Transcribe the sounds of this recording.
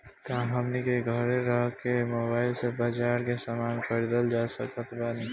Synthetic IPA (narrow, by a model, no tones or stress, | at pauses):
k̪ãɦəmnikeɡʱəɾeɾəɦkemobaːɪlsebad͡ʒaːɾkesamaːnpʰəɾd̪əld͡ʒasə̰kət̪bani